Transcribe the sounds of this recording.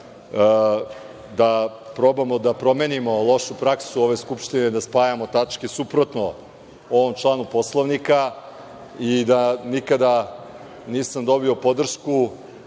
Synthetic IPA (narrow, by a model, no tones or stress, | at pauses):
d̪a | pɾo̞bamo̞d̪apɾo̞me̞ːnimo̞lˠo̞ʃupɾaksuo̞ʋe̞skupʃt̪ined̪aspaːjamo̞t̪at͡ʃkesupɾo̞t̪no | o̞ʋo̞mt͡ʃlˠaːnupo̞slˠoʋnika | id̪anikad̪a | niːsamd̪o̞biopo̞d̪r̩ʃku